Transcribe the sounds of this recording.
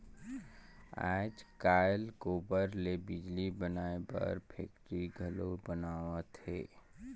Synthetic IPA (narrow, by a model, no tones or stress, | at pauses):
a̰ːd͡ʒkaːjlɡoːbəɾlebɪd͡ʒlibənaːebɐ̰ɾpʰḛːk̚ʈɾiɡʱəlobənaːwət̪ɦeː